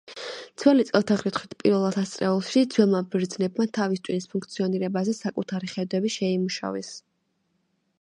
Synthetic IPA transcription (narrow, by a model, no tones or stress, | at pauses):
t̪sʰwɛlit̪sʼɛlˠt̪ʰaʁɾit̪ʰχwit̪ʰpʼiɾvɛlˠat̪ʰast̪sʼɾɛulˠʃid̪zwɛlˠmabɾd̪znɛbmat̪ʰavist̪ʼwinispʰuŋkʰt̪sʰiɔniɾɛbazɛsakʼut̪ʰaɾiχɛd̪wɛbiʃɛimuʃa̰vɛs